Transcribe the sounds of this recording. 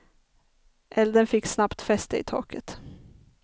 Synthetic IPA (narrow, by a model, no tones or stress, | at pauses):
ʔɛld̪ənfɪkːsnapt̪fɛst̪əɪ̰t̪ʰɑ̰ːkət̪